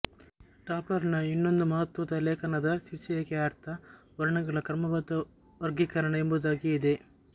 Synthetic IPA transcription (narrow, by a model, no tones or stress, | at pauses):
ɖaːp̚ʈɐɾɐnɐinːond̪umɐɦɐt̪ʋɐd̪ɐleːkɐnɐd̪ɐt͡ʃiɾt͡ʃɐjɐkɛaːɾt̪ʰɐ | ʋɐɾɐɳɐɡɐɭɐkɾɐmɐbɐd̪ɐ | ʋɐɾɡikɐɾɐɳɐembud̪aːɡiːd̪e̞